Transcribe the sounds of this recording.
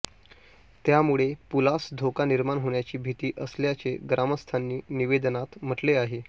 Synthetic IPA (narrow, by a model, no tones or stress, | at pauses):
t̪jamuɭepulasd̪ʱokaniɾmaɳɦoɳ̃jat͡ɕiːbʱit̪iːʔəsljat͡seɡɾaməst̪ʰanːiːniʋed̪nat̪m̤əʈleaɦe